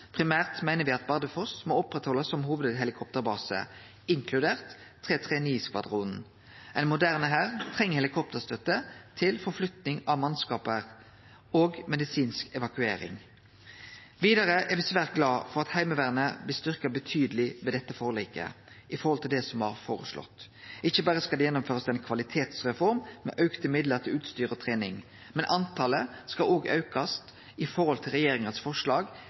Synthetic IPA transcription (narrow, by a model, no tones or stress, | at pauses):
pʰʁɪmæːʁt̪mæɪnəʁʋɪɑt̪bɑʁd̪əfɔsmoːɔpʁɛt̪hɔlːəsːɔmɦhuːʋəd̪ɦɛlɪkʰɔp̚t̪əʁbɑːsə̰ | ɪŋkʰlʉd̪eːʁt̪ʰː | ʁeːt̪ʰʁeːniːskʋɑ̰d̪ʁuːn | ɛɪnmʊd̪æʁnəɦæːʁt̪ʰʁɛŋːəhɛlɪkʰɔp̚t̪əʁst̪œt̪ːət̪ʰɪlfɔʁflʉt̪nɪŋɑʋmɑnskɑːpəʁ | oːɡmɛd̪ɪsiːnskɛʋɑkʉḛːɾɪ̰ŋ | ʋiːd̪ɑʁəʔɛʁʋɪsʋæːʁt̪̚ɡlɑːfɔɾʁɑt̪hæɪməʋæːʁənəblɪst̪ʏʁkɑbət̪ʰyːd̪əlɪʋɛːd̪ɛt̪ːəfoːʁliːkə̰ | ɪfɔɾʁhɔlt̪ɪld̪ɛsɔmɑ̰ɾfoːɾə̰slɔ̰t̪ː | ʔɪçːəbɑːɾəskɑld̪ɛjɛnːʊmføːɾʁəsɛnkʰʋɑlɪt̪ʰeːt̪sʁɛfɔɾmːɛ̰ʔœʉkt̪əmɪd̪ləɾt̪ʰɪlʉːt̪st̪yːɾəɔt̪ʰʁeːnɪŋ | mɛnʔɑnt̪ʰɑːləskɑloːɡɑ̰ʉkɑst̪ | ɪfɔɾɔlt̪ʰɪlɾɛjeːɾɪŋənsfɔʂlɑːɡ